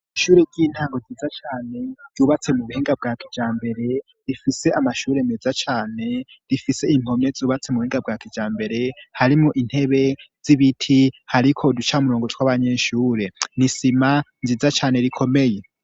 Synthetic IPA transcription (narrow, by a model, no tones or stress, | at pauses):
iʃuːɾeɟiːn̥haːŋɡozizat͡ʃaːne̞z̥uːβat͡se̞muβuheːŋɡab̚ɡaːkʰi̥d͡ʒaːmbe̞ɾe̞ | ɾifise̞amaʃuːɾe̞mezat͡ʃaːne̞ | ɾifise̞im̥o̞me̞zuːβat͡semuβuhiːŋɡabɡakid͡ʒaːmbe̞ɾe̞haɾimuʔin̥he̞βe̞z̥iβitʰihaɾikʰo̞dut͡ʃamuɾo̞ːŋɡo̞tʰwaβaɲeːʃuːɾe̞nisimanzizat͡ʃaːne̞ɾikʰome̞je̞